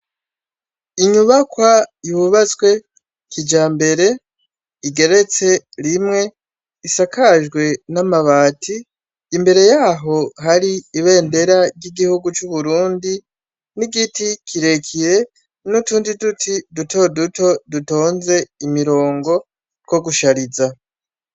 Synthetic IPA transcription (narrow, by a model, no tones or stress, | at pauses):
iɲuβakwajuβat͡sɡwe̞ | kid͡ʒaːmbe̞ɾe̞ | iɡe̞ɾe̞t͡se̞ɾimŋe̞ | isakʰaʒɡwe̞namaβaːtʰiː | mbe̞ɾe̞jaːɦo̞ɦaɾiːβe̞ːnde̞ɾaɾɟiɡihuɡut͡ʃuβuɾuːndi | niɡitikʰiɾe̞kʰiɾe̞ | nutuːndidutʰiduto̞duto̞duto̞ːnze̞imiɾo̞ːŋɡo̞ | ko̞ɡuʃaɾiza